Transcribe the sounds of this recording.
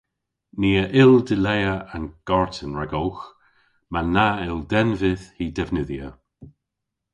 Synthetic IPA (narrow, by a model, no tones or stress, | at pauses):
niːəʔɪldɪlɛjəanɡ̥ɔɹtʰənɹɛɡɔlx | manaɪldɛnvɪðhiːdɛvnɪðjə